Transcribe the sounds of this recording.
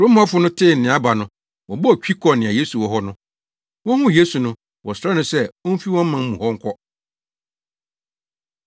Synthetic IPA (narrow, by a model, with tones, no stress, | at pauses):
ɾõ˦m˦a˦fʊ˨˦nʊ̃˦tʰɪ˦˨n̩˨nɪ̃˨a˦ba˨nʊ̃˦ | wɔ̃˨bɔ˦ɔ˨t͡ɕᶣi˦kʰɔ˨nɪ̃˨a˨je˦su˨wɔ˦ɦɔ˦nʊ̃˦ | wɔ̃˦hʊ̃˦je˦su˨nʊ̃˦ | wɔ˨sɾa˦nʊ̃˦sɛ˦ɔ̃˦m˦fi˦wɔ̃˦m̩˦mã˨m̩˦mũ˨hɔ˦ŋ̩˦kʰɔ˦